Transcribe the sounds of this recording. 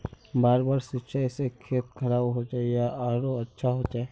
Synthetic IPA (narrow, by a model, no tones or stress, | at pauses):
baːɾbaːɾsɪtːʃʰasekʰeːt̪̚kʰɐɾaːbɦod͡ʒaːijaʔaːɾoɐtːʃʰaɦod͡ʒaːe